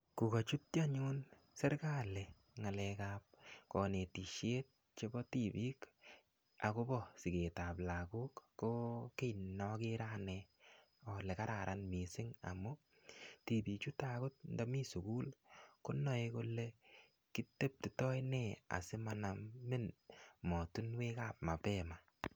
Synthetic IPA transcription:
ku˨ka˨t͡ʃu˦t̚t͡ʃa˦ɲu˦n | se˦ɾka˦le˨ | ŋa˨lɛkap̚kɔ˨ne˨ti˨ʃe˦t̚ | t͡ʃe˦bɔ˦ti˨bi˦k | a˨kʊ˦bɔ˦sɪ˨ke˨ta˨pla˨ku˦kːo˦ke˦nɔkɪ˦ɾa˦nɛ | ɔ˨le˨ka˦ɾa˨ɾʔa˦nmi˨sɪ˦ŋa̰˨mʊ˦ | ti˨bi˨t͡ʃu˦ta˦kʊ˦t̚nda˦mi˦su˨kuː˦lkʊ˦nɔ˨ɪko˦le˦ | ki˦te˦p̚ti˨tɔ˦jnɛ˦a̰˨sɪ˦ma˨namme˦nmɔ˨tu˦nwe˦ka˦p̚ma˨pɛ˦ma˨

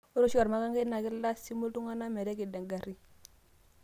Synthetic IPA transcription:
o˦ɾo˦ʃa˨ɾma˦ka˦ŋɡe˦na˨kɪ˦lːa˦si˦mo˦ltu˦ŋa˦na˦mɛ˨ɾɛ˦ki˨da˨ŋɡa˨ɾi˦

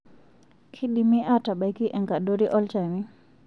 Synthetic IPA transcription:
kʰi˦ɗimi˦ʔata˨ba˨jki˦ʔɛ˨ŋka˨doɾiʔɔ˦lt͡ʃami

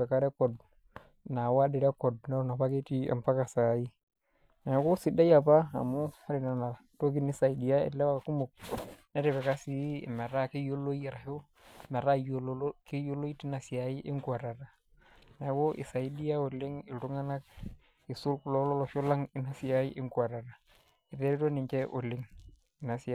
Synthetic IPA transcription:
e˨ka˦ɾe˦ko˨d | na˨wa˦di˨ɾe˦ko˨d̚na˦na˨pa˦ke˦ti˦a̰˨mpa˦ka˨sa˨ji˦ | na˨ko˦si˨ɗa˦ja˨pa˦a̰˨mu˦a˦ɾi˨na˨na˨ | to˦ɡi˦ni˦sa˨i˨di˨ja˦ḭ˨lːe˦wa˦˨ku˦mo˨k̚ne˦ɾe˨be˨ka˦sḭ˦˨me˨ɾa˦ki˦jo˦lːo˦i˦˨ɾa˨ho˦˨ | me˨ɾa˦˨jo˦lo˦ki˦jo˦lo˦i˦ti˦na˨si˨a˨i˦ʔi˦ŋku˦a˨ɾa˨ɾa˨ | na˨˦wo˦ʔḭ˨sa˨i˦di˦ja˦o˨li˦ŋi˨tu˦ŋa˦na˦k̚ | i˨su˦lku˨lo˦lo˦lo˨ʃo˦la˦ŋi˦na˦si˨ja˨˦ji˦ʔi˦ŋku˨a˨ɾa˨ɾa˨ | i˨ðe˦ɾi˦to˦ni˨ɲt͡ʃe˦ʔo˨lːi˦ŋ | i˨na˨si˨a˨

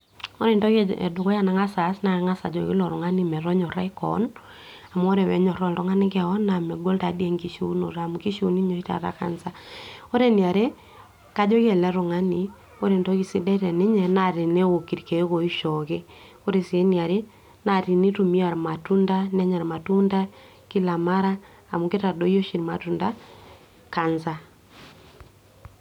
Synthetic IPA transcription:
o˦ɾe˨ntɔ˦kḛ˨dʊ˨kɔ˦ja˦na˨ŋa˦sa˨˦sna˨˦ŋa˦sa̰˨d͡ʒɔ˨kɪ˦lɔ˨ɾʊ˨ŋa˦ni˨mɛ˨ɾɔ˦ɲɔ˨ɾɛ̰˦kɔ̰˨˦n | a˨m˦o˦ɾe˨wɛ̰˨˦ɲɔ˨ɾɔ˦ltɔ˦ŋa˦nɪ˦kɛ˦˨ɔ˦nːa˨mɛ˨ɡo˦lta˨djɛ˦ŋki˨ʃo̰˦no̰˨ɾa˨muki˦ʃo˨ni˦ɲo˨˦i˦ta̰˨ɾa̰˦ka̰˨nsa˦o˦ɾe˦ni˨a˨ɾe˦ | ka˦d͡ʒɔ˦ke˨lɛ˨˦ɾʊ˨ŋa˦ni˨ | o˦ɾe˨ndɔ˦ki˨si˦dɛ˦ɾɛ˨ne˦ɲɛ˨na˨ɾe˨ne˦o˨ki˨ɾke˨˦ko˨i˦ʃɔ˨ke˦ | o˦ɾe˨si˨e˦ni˨a˨ɾe˦ | na˨ɾi˨ni˦tu˨mi˦a˨ɾma˨tu˦nda˦nɛ˦ɲa˨ɾma˨tu˦nda˦ | ki˦la˨ma˦ɾaː˦˨ | mu˨ke˦ta˨do˦i˦o˦ʃi˨ɾma˨tu˨nda˦ | ka˨nza˦

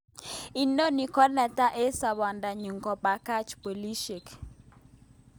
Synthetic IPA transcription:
i˨no˦ni˨kɔ˦nɛ˨ta˦ʔe˦sa˨βa˨nda˨ɲu˨ŋkɔ˨pa˨ka˦t͡ʃpo˨li˦ʃe˨k

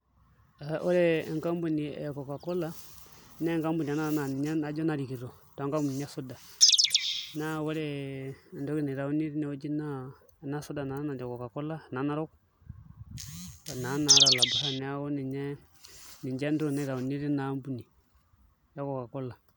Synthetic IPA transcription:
a˨ʔo˦ɾe˦˨ŋka˦mbu˦nḭ˨jko˨ka˨kɔ˦la˦nɛ˦ŋka˦mbu˨ni˨a˨na˦na˨n˨ɲa˦a˨˦d͡ʒɔ˦na˨ɾi˨ki˨ɾo˨ | tːŋka˦mbu˨ni˨ɲa˦su˦da˨ | na˦wo˦ɾe˦˨ndo˦ki˦ni˨ɾa˨u˦ni˦ɾi˦nɛ˨o˦d͡ʒi˦na˦˨ | na˦su˦da˨na˨˦na˨d͡ʒɔ˨kɔ˨ka˨kɔ˦la˦˨na˨na˦ɾo˦k | ta˨na˨˦na˨˦ɾa˨la˨ba˨ha˦nɛ˨˦a˦wo˦ni˨ɲɛ˦ | ni˨ɲd͡ʒɛ˦ndo˦˨ne˨ɾa˨u˨ni˦ɾi˦na˨˦mbu˨ni˨ | ja˦ko˨ka˨kɔ˦la˨

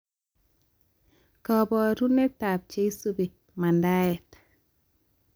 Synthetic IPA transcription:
kɔ˨bɔ˨ɾu˦ne˦ta˨p̚t͡ʃe˦i˦su˦bi˨ | ma˨nda˦ɛ˨t

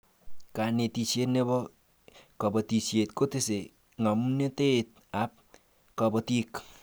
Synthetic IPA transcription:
ka˨ne˨ti˨t͡ʃe˦tne˦bɔ˦ | kɔ˨bɔ˨ti˨t͡ʃje˨tko˦te˦se˨ | ŋa˨m˦ne˦te˦˨t̚ | a˨˦p̚ | kɔ˨bɔ˧ti˦k

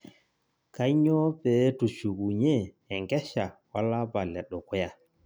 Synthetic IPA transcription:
ka˦ɲo˦pe˨˦tu˨ʃu˨ɡu˨ɲeː˦˨ | ŋɡɛ˦ʃa˨wa˦la˦ba˨lɛ˨ɗɔ˨kʷɔ˦ja˨

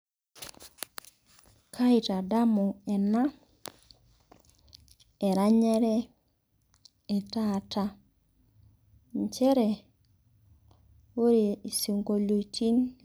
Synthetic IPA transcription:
kʰa˦i˨ta˨da˦mɔ˨ɛ˨na˦ | e˨ɾa˦ɲɛ˦ɾɛ˦ | ɛ˨ta˦˨ta˦ | ɲt͡ʃɛ˦ɾɛ˨ | o˦ɾi˨i˨si˨ŋɡo˨lo˨ti˦n

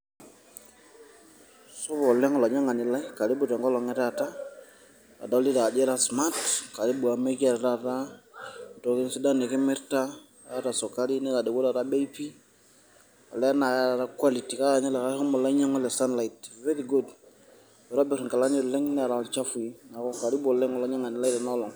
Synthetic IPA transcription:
so˦βɔ˨lɛ˦ŋɔ˨la˨ɲa˦ŋa˨ni˨la˦i˦ka˨ɾi˦bu˨te˨ŋɡɔ˦lɔ˨ŋɛ˦ta˦˨ta˦ | a̰˨da˦li˦da˨de˦ɾa˦sma˦tka˨ɾi˦bu˨a˨me˦ka˨ɾta˦ta˦˨ | to˨ki˦nsi˦da˦ne˨ke˦mɛ˦ɾta˦˨ | a˦ta˨so˨ka˦li˦nɛ˦la˨de˨wo˦la˨ɾa˦be˦i˦pi˦ | a̰˨lɛ˦na˨ka˦ɾa˨ɾa˦kwa˦li˨ti˨ka˦ɾa˨nɛ˦la˨ka˦ɔ˦mɔ˨la˦ɲa˦ŋɔ˦lɛ˨sa˦nla˨i˨tve˦ɾi˨ɡo˦d | bɛ˨ɾa˦bɪ˨ɾŋka˨la˦ni˦˨ɾlɛ˦ŋn˦a˨ɾa˨t͡ʃa˦fu˨i˦na˨kɔ˦ka˨ɾi˦bɔ˨lɛ˦ŋɔ˨lɔ˨ɲa˦ŋa˨ni˨la˦i˦da˨nɔ˦lɔ˨ŋ

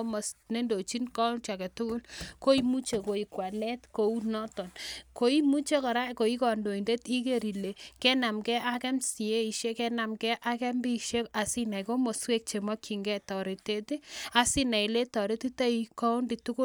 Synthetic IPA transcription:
mo˨sne˦ndo˨t͡ʃi˦nkɔ˦ʊ˦nt͡ʃa˨ke˨tʊ˦kʊ˦lko˦i˦mu˦t͡ʃe˨ko˨i˨kwa˨lɛ˦tko˨u˦nɔ˦tɔ˨nko˨i˦mu˦t͡ʃe˦kɔ˨ɾa˦˨ko˨i˦kɔ˨ndo˨i˨nde˦ti˦ke˦ɾi˨le˨kɛ˦na˨mkɛ˦ʔa˦kɛ˦msi˨e˦i˨ʃe˦kɛ˦na˨mkɛ˦ʔa˦kɛ˦mbi˦˨ʃe˦a˨si˦na˨jko˦mo˨swe˦k̚t͡ʃe˨mɔ˦kʰi˨ŋɡɛ˦tɔ˨ɾi˨te˦ti˦a˨si˦na˨i˨le˦tɔ˨ɾe˦ti˦ta˦i˨kɔ˦u˦ndi˨tu˦kʊ˦

